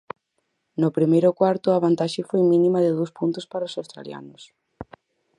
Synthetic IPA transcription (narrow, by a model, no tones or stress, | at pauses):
nʊpɾimejɾʊkwaɾt̪ʊaβant̪aʃɪfojmĩnĩmɐðɪðowspunt̪ʊspaɾaʊsawst̪ɾa̰lja̰nʊs